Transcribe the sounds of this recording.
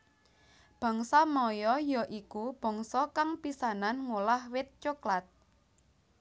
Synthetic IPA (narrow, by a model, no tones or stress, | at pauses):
b̥a̤ŋsɔmɔjɔjɔʔikub̥ɔ̤ŋsɔkaŋpisananŋulahwɪt̪̚t͡ʃoklat̪̚